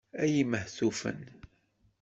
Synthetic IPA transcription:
æjiməhθufə̰n

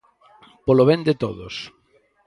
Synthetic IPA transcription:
poloβend̪ɪt̪o̰ðo̰s

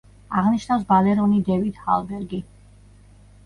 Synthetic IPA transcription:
aʁniʃnafsbalɛɾɔnid̪ɛvid̪̥ha̰lˠbɛɾɡi

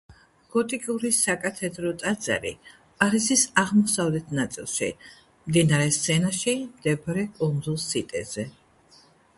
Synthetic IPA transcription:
ɡ̥ɔt̪ʼikʼuɾisakʼat̪ʰɛd̪ɾɔt̪ʼad̪za̰ɾḭ | aɾisisaʁmɔsavlɛt̪ʰnat̪sʼilˠʃḭ | md̪inaɾɛst̪sʰɛnaʃimd̪ɛbɾɛkʼund̪zulˠsit̪ʼɛz̥ɛ

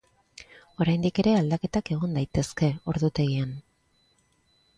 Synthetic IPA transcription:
o̞ɾajnd̪ike̞ɾe̞ald̪ake̞t̪ake̞ɣ̞ond̪ajt̪e̞ske̞o̞ɾðut̪e̞ɣian

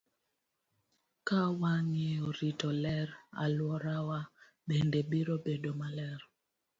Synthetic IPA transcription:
kawaŋijoɾitɔlɛɾa̰lwɔɾawa | bendɛbiɾobedomalɛɾ

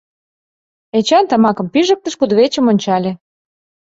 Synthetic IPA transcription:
et͡ɕɑnt̪ɑmɑkɤ̆mpiʒə̆k̚t̪ə̆ʃkud̪βet͡ɕə̆monʲt͡ɕɑlʲĕ

